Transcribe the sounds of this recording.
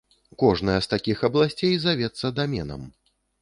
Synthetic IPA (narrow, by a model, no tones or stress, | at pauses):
kɔʐnɐjɐst̪akʲixɐblˠasʲt͡sʲejzavʲɛt̪sːɐd̪amʲɛnɐ̰m